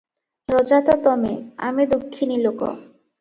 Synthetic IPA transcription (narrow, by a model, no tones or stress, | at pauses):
ɾɔd͡ʑat̪ɔt̪ɔmea̰med̪ukʰːinilokɔ̰